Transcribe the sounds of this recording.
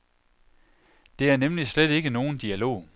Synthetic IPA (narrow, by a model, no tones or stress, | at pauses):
d̥e̝æɐnemlisled̥e̝ɡ̥əno̝ːn̩d̥iælo̝̰ː